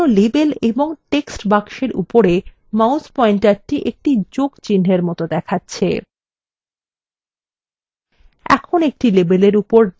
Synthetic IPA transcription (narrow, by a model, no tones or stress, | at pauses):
olebeleboŋʈeksʈbakʃeɾʔṵpoɾe | mauspɔiɳʈaʈiʔek̚ʈid͡ʑoɡt͡ɕinɦeɾmɔt̪od̪ɛkʰatːɕʰḛ | ɛ̰kʰonek̚ʈilebeleɾupoɾ